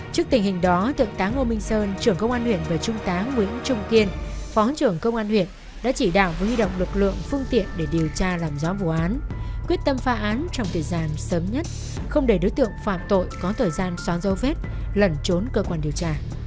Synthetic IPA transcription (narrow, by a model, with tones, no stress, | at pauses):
t͡ɕɨ˦˥ək̚t̪ï˨˩ŋhï˨˩ŋ̟ɗɔ˨˦t̪ʰɨ̰˧˨əŋt̪aː˨˦ŋʔo˧mï˧ŋ̟səː˧nt͡ɕɨ˧˩əŋkə˧wŋ͡mʔaː˧nhwḭ˧˨ənvaː˨˩t͡ɕʊ˧ŋ͡mt̪aː˨˦ŋːwḭ˧˥ənt͡ɕʊ˧ŋ͡mt̪i˧ənfɔ˨˦˨t͡ɕɨ˧˩əŋkə˧wŋ͡mʔaː˧nhwḭ˧˨ən | ɗa̰ː˧˥t͡ɕi˧˩ɗa̰ː˧˨wvəː˨˦jhwi˧ɗo̰˧˨wŋ͡mlɨ˨˩k̚lɨ̰˧˨əŋfɨ˧ŋt̪ḭ˧˨ənɗe˧˩ɗi˨˩əwt͡ɕaː˧laː˨˩mzɔ˨˦vṵ˧˩˨ʔaː˨˦nkwi˦˥t̚t̪ə˧mfaː˨˦ʔaː˨˦nt͡ɕɔ˧wŋ͡mt̪ʰəː˨˩jzaː˧nsəː˨˦mɲə˦˥t̚ | xə˧wŋ͡mɗe˧˩ɗo˨˦jt̪ɨ̰˧˨əŋfa̰ː˧˨mt̪o̰˧˨jkɔ˨˦t̪ʰəː˨˩jzaː˧nswaː˨˦nzə˨˦wve˦˥t̚ | lə˧˩nt͡ɕo˨˦nkəː˧kwaː˧nɗi˨˩əwt͡ɕaː˧